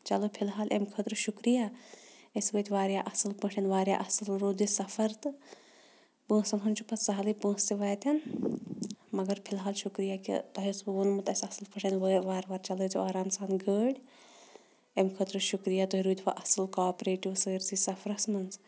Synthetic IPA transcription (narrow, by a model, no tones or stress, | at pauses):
t͡ʃɐlopʰilɦaːlʔḛmkʰət̪ɾɨʃukɾijaesbɐt̪ʲʋaːɾjaʔɐsɨlpəʈʰɐnʋaːɾʲja̰ʔɐsɨlɾuːd̪isɐfʰɐɾt̪ɨ | pə̃ːsɐnɦunt͡ʃʰupɐsɐɦɐlipə̃ːst̪iʋaːjt̪ɐn | mɐɡɐɾpʰilɦaːlʃukɾijakḭt̪ɐɦisbɨʋonmɨt̪ɐsʲɐsɨlpɐʈʰɐnʋəʋaːɾʋaːɾt͡ʃɐlut̪iaːɾaːnsaːnɡəːɽʲ | emkʰət̪ɾɨʃukɾijat̪oɦiɾuːd̪ʲpa̰ʔɐsɨlkaːpɾeːʈiʋsəːɾsisɐfʰɾɐsmɐns